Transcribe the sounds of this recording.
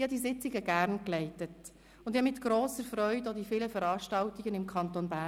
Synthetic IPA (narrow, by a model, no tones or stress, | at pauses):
hɑd̪isɪt͡sɪɡəɡæɾnklɛɪtət | ʊnd̪ɪhɑmɪt̪ɡ̥ɾoːsəɾfɾœʏdɔd̪ifɪləfəɾɑːʃtɑltiɡənɪmkʰɑnt̪onbæ